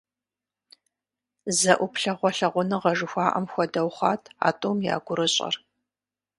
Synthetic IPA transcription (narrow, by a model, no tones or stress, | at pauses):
zɐʔʷʊpɬɐʁʷɔɬɐʁʷʊnɨʁɐʐɨxʷɑːʔɐ̰mxʷɔdɐwχʷɑːtʰa̰ːtʼoːmja̰ːɡʷʊɾɨɕʼɐ̰r